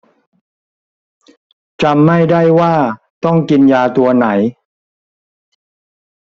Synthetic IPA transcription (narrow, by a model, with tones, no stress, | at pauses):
t͡ɕa˧mːa˥˩jda˥˩jwaː˥˩ | t̪ɔ˥˩ŋki˧njaː˧t̪u˧ɐna˩˦j